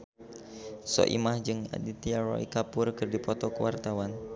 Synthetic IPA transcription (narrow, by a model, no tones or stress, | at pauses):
sɔ̰ʔḭmahd͡ʒɨŋa̰dit̪iaɾɔ̰ḭkapʊrkɨrdipɔt̪ɔkuwart̪awan